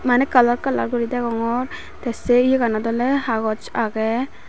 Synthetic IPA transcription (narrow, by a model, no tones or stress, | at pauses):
manɛkəlaɾkəla̰ɾɡɔɾid̪ɛɡɔŋɔɾ | t̪ɛsɛiɡanad̪ɔlɛhaɡɔt͡ʃaɡɛ